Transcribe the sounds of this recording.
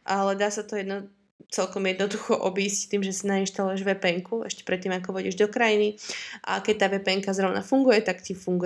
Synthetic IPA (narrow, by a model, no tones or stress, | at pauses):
ʔalɛd̪aːsat̪ɔjɛd̪nɔ | t͡sɛlkɔmjɛd̪nɔd̪uxɔʔɔbiːsct̪iːmʒɛsinainʃt̪alujɛʒʋɛpɛŋkuɛ̰ʃcɛ̥pɾɛt̪ːiːmakɔʋɔɟiɛʒd̪ɔkɾajiniʔa̰kɛc̚t̪aːʋɛpɛŋkazɾɔʊnʔa̰fuŋɡujɛt̪akcifuŋɡ